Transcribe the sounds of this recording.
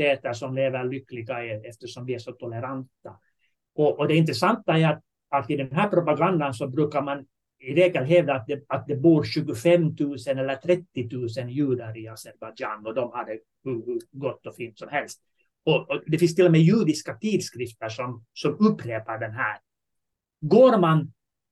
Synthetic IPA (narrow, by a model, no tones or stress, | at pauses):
t̪eːt̪əɾʂɔmleːvəɾɭʏkːlɪɡaɛɛft̪əʂɔmvɪæʂɔt̪ʰɔlɛɾant̪ːa | ɔʔːd̪ɛɪnt̪ɾɛsant̪ːaɛat̪̚ | at̪ɪd̪ɛnnɦæːɾpʰɾʊpaɡand̪ansɔbɾʉ̟ːkaɾman | ɪɾeːɡəlɦeːd̪at̪̚d̪ɛat̪̚d̪ɛbuːɾɕʉ̟ːɡʊfɛmːt̪ʰʉ̟ːsənɛlːəʈ̪ʰɾɛt̪ːɪt̪ʰʉ̟ːsənjʉ̟ːɖ̪aɾɪasɛɾbad͡ʒaːnɔd̪ɔmhad̪ːə | hɵhɵɡɔt̪ːɔfiːnt̪sɔmhɛlst̪̚ | ɔd̪ɛfɪnst̪ʰɪlːɔmɛːjʉːɖ̪ɪskat̪ʰiːd̪skɾɪft̪əʂɔmsɔmɵpːɾeːpaɖɛnɦæːɾ | ɡoːɾman